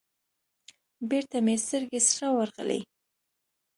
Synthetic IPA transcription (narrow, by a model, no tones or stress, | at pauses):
beɾt̪amest̪əɾɡesʂawaɾɣə̰lḛ